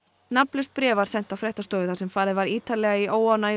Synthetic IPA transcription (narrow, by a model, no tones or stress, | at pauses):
naplʏst̪̚pɾɛːvaɾ̥sɛn̥t̪awfɾɛht̪ast̪ɔːvɪθasɛmfaːɾɪðvaɾiːt̪alɛɣaiʔoːwana